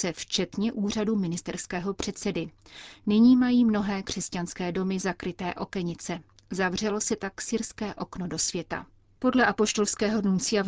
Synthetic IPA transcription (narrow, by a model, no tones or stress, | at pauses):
sɛft͡ʃɛt̪ɲɛʔuːr̝adumɪnɪst̪ɛɾskɛːɦo̞pr̝̥ɛt̪sɛdɪnɪɲiːmajiːmno̞ɦɛːkr̥ɛscanskɛːdo̞mɪzakɾɪt̪ɛːʔo̞kɛɲɪt͡sɛ | zavr̝ɛlo̞sɛt̪aksɪɾskɛːʔo̞knodo̞svjɛt̪a̰ | po̞dlɛʔapo̞ʃt̪o̞lskɛːɦo̞nunt͡sɪjav